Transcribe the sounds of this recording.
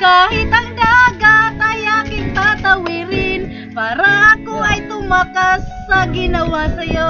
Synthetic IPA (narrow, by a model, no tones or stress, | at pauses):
kaːhɪt̪ɐŋd̪aɡat̪ɐjakɪŋt̪at̪ɐwɪɾɪn | paːɾaʔɐkoʔɐjt̪ʊmakasːɐɡɪnɐwasɐjo